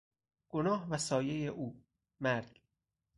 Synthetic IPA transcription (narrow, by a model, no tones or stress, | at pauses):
ɡ̥onɒːɦvæsɒːje̞jeʔuː | mæɾɟ̥